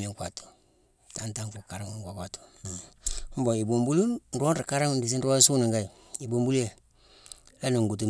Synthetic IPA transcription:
mi˨ŋkwa˨tu̥˨ | ta˨nta˦ŋku˨ka˨ɾa˦ŋ˨ŋkʷa˨kʷwa˨tu̥˨ | m̩˦bo˨i˨bo˨mbu˦lu˦n̩˦ɾo˦nɾi˨ka˦ɾa˦ŋ˨n˦di˨s̬i˦n̩˦ɾo˦su˦ni˨ŋɡa˦i˨ | i˨bo˨mbu˦lje˨ | la˦nu˨ŋ˨ɡu˨t̬u˨

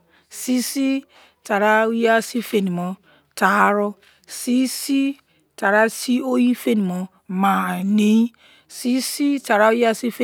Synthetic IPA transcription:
si˦si˦ | ta˨ɾa˦u˦ja˦si˦fe˨ni˨mo˨ | ta˨˦ɾo˦ | si˦si˦ | ta˨ɾa˦si˦o˦ji˦fe˦ni˨o˨ | ma˨ne˨˦i˦ | si˦si˦ta˨ɾa˦u˦ja˦si˦fe˦

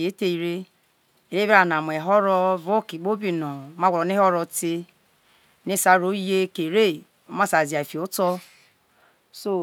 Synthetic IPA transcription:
e˨˦te˦i˨ɾe˦ | e˨ɾe˦bi˦ɾa˨na˨m˨e˨ɦɔ˦ɾɔ˦vo˦ki˨ɡ͡bo˦bi˦nɔ˨˦ma˦˨ɾɔ˨ne˦ɔ˦ɾɔ˦te˦ | ne˦sa˦ɾo˦je˦ke˨ɾe˦˨ | o˦ma˦sa˨zi˨a˨e˨fi˨o˦tɔ˦ | so˦

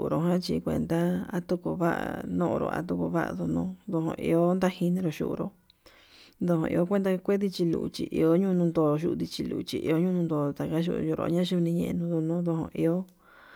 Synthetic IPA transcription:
ʔɾo˨ɦã˦t͡ʃi˧kʷḛ̃˧nd̪a˦a̰˦t̪u˦ko˧βa˦ʔa˨nõ˦ʔõ̰˧ɾo̰˧a̰˧t̪u˦ko˧βa˦ʔa̰˧ðo˧nõ˧d̪o˧ɦõ̰˧˨ʔḭ˧o˦nd̪a˦hi˧nĩ˧ɾo˧ʃṵ˧ʔɾo̰˧ | nd̪o˧hõ̰˧ʔḭ˧o˦kʷe˦nd̪a˧kʷe˦ði˧t͡ʃi˧lṵ˧˨ṵ˧t͡ʃi˧˨ʔi˧o˦ɲũ˦˧nũ˧nd̪o˧ʃ̬u˧ði˧t͡ʃi˧lṵ˨u˨t͡ʃi˧ʔi˧o˦ɲũ˦nũ˧nd̪o˧t̪a˨ka˦ʃ̬ṵ˧jo˧ɾo̰˧˦ɲã˦ʃu˦˧nĩ˧ɲẽ˧nũ˧ðo˧nõ˦ðo˧ɦõ̰˧ʔi˧o˦

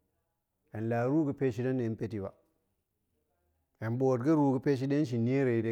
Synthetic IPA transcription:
e˨nlaː˨ɾuː˦ɡə˨pe˦ʃi˦da˦nːe˨˦pe˦ti˨ba˨ | e˨nbo˨t̚ɡə˦ɾu˦ɡə˦pe˦ʃ̬i˦de˦nʃ̬i˨ni˦e˦ɾe˨i˨de˦

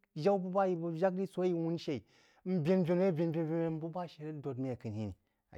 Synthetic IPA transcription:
ʒa˦wbu˦ba˦ji˨bu˨ʒa˦k̚di˦so˨˦ji˦wu˦nʃe˨i˨ | m̩˦bʲe˦nbʲe˨n˦e˦bʲe˨nbʲe˨n˨bʲe˨me˦m˦bu˦ba˦ʃe˨ɾe˦do˨dmi˦a˨kɨ˨nhi˦ni˨ | a̰˨

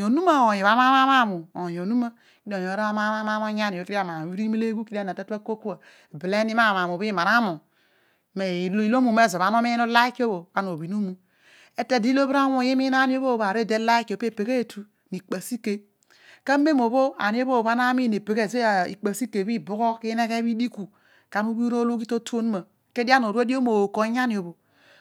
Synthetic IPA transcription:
o˨nu˦ma˦˨o˨jo˨βa˦ma˦ma˦ma˦˨mu˨o˨jo˨nu˦ma˦ | i˦do˨jo˨˦ɾa˦a˦ma˦ma˦ma˦mo˦ɲa˦n˨o˨˦ki˦a˨ma˨m˨i˦ɾi˦me˦le˦ɡu˦ki˦a˦n˨a˨te˦te˦ko˦ku˦a˨ | bi˨le˦ni˦ma˦˨m˨a˨mo˨bi˦ma˨ɾa˦mo˨ | me˨li˦lo˦mu˨me˦˨zo˨βa˨˦no˦me˦no˦la˦i˦ko˦bo˨a˦no˨bi˨no˦mu˦ | e˦te˨di˦lo˦bɾa˦wo˨ji˦mi˦na˦ni˦o˦βo˦˨ba˨ɾe˦˨de˦la˦e˦ko˨pe˦˨pe˨ke˦e˨tʰu˦ | ni˨k͡pa˨si˦ke˦ | ka˦m˦be˦mo˨βo˦a̰˨ni˦o˦bo˦˨βa˦na˦mi˦˨ne˨pe˨ke˦˨ze˦˨ḭ˨k͡pa˨si˦ke˨bi˦bu˦ko˦ki˦ne˦ke˦βi˦di˦ku˨ | ka˨nu˦bi˦ɾo˦lo˦ki˦to˦to˦n˦ma˨ | ke˦di˦a˦n˨o˨ɾe˦di˦o˦mo˨o˨ko˨˦ɲ˦a˦ni˨o˨bo˨

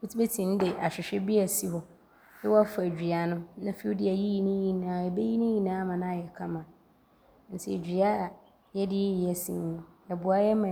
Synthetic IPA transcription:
u˦tʰi˦be˦tʰĩ˨n̩˦dɪ˨ʔa˨ɕᶣɪ˨ɕᶣɛ˦bi˦a˨si˦hɔ˨ | ɛ˦wɔ˦a˦fæ˨d͡ʑᶣi˨a˨nʊ̃˦nã˦fi˦u˦di˦a˨ji˦ji˦nĩ˦ji˨nã˨ɛ˨be˦ji˦nĩ˦jĩ˦nã˦˨˦mã˨nã˦˨jɛ˨kʰã˦mã˨ | n̩˨tʰɪ˦˨d͡ʑᶣi˨a˦˨ | jɛ˦dɪ˦ji˨ɛ˦sḭ̃˦n˦nʊ̃˦ɛ˨bʊ˨a˦jɛ˦mã˨

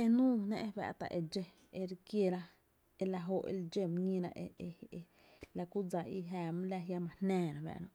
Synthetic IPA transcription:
e˧nũː˦nḛ̃˦˧ʔbɛ̰˧˨ʔt̪a̰˨ʔe˧d͡ʒe˧ | e˧ɾkje˧ɾa˦ | e˧la˧ɦo˧˨ʔḛ˧ld͡ʒe˧m˧ɲĩ˧ɾa̰˧ʔe˧e˧e˧ | la˧ku˦d͡za˧i˧ɦaː˧˨m˦la˧ja˧mã˧hnɛ̃ː˦˧ɾã˨bɛ̰˧˨ʔnã˧˨

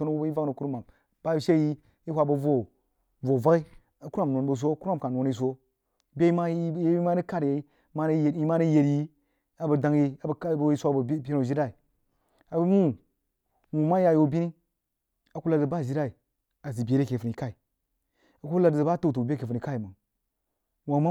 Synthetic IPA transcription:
o˦no˦wu˦bi˦va˦ɡno˨ku˦ɾma˨m | ba˦˨ʃe˦ji˦ | i˦hʷa˨bo˨vo˦ | vo˨va˦ɡi˦ | a˨ku˦a˦˨m˨nʷo˨nbo˨s̬o˦ku˦ɾa˦mka˨no˨n˦i˦˨s̬o˦ | bʲe˦i˦ma˦je˦i˦ma˦ni˦ka˦ɾje˨˦ | ma˦˨ji˦ma˦ni˦je˨ɾji˦ | a˨ba˨da˨ŋ˦ji˦a˨bi˦sʷbbʲe˦no˨ʒi˦da˦i˨ | a˨bmu˦ | wu˨ma˦ja˨jo˨bʲi˦ni˦ | a˨ku˦la˦˨zə˨ba˦˨ʒi˦ɾa˦i˨ | a˨zi˨bʲe˨ɾe˦ke˨fu˨ni˨ka˦i˨ | a˨ko˦la˨za˨ba˦to˦˨to˨bʲe˦ke˨fu˨n˨i˨ka˦i˨ma˨ | wa˨ma˦

